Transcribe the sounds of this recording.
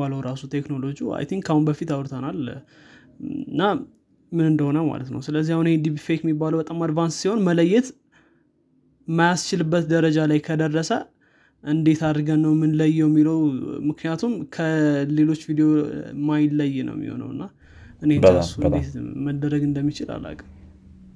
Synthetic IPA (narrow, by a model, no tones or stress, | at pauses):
aləwɾasut̪ʰe̞kno̞lo̞d͡ʒia̰jt̪ʰiŋɡkʰahunbəfit̪awɾt̪ʰənal | ɨnːa | mɨnɨnd̪əho̞nəma̰lət̪nə̰wsɨləzːihahunhed̪ibifekɛmibːaləwbət̪ʼəmad̪vanssiho̞nmələjːɛt̪ | majast͡ʃɪlɨbːət̪d̪əɾəd͡ʒalajkʰəd̪ərːəsə | ʔɨnd̪e̞t̪ad̪ɾɡənːəwmɨnləjːɛɛmːiləwmɨknijat̪ʰumkʰəle̞lo̞t͡ʃːvid̪eomajləjːnə̰w̰mḭho̞̰nə̰wɨ̰nːa | ʔɨnesuɨnd̪et̪məd̪ːəɾəɡɨnd̪əmːit͡ʃɪla̰lːa̰kʼə